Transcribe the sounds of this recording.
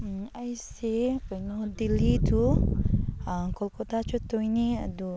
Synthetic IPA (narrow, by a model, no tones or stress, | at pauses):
ajsepɛnɔhd̪ilit̪u | akɔlkot̪at͡ʃɔt̪ɔinia̰du